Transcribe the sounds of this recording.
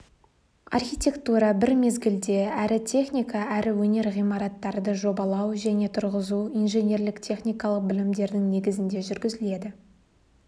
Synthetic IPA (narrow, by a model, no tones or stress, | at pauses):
ɑ̰rχʲijt̪ʲe̞kt̪uɾɑbɪɾme̞zɡʲɪld̪e̞æɾɪt̪ʲʰe̞χnʲijkɑæɾɪwɵne̞ɾʁijmɑɾɑt̪ːɑɾd̪əʒo̞bɑlˠɑwʒæne̞t̪ʰʊɾʁəzuijnʒe̞nʲe̞ɾlɪkt̪ʲʰe̞χnʲijkɑlˠəq̚bɪlɪmd̪e̞ɾd̪ɪŋne̞ɡʲɪzɪnd̪e̞ʒʏɾɡʲɪzɪle̞d̪ɪ